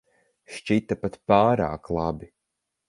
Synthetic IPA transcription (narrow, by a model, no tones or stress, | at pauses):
ʃt͡ʃit̪apat̪paːɾa̰ːklˠabi